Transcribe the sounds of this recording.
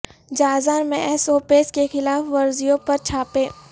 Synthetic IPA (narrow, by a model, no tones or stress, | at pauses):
d͡ʒaːzaːɾmẽʔɛsoːpeːskexɪlaːfʋɐɾzijõpɐɾt͡ʃʰaːpẽː